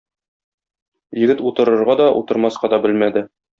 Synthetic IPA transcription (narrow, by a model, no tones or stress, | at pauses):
jɘ̆ɡɘt̪ut̪ɤ̆ɾɤ̆ɾʁɑd̪ɒʔṵt̪ɤ̆ɾmɑsqɑd̪ɒbɘlmæd̪ɘ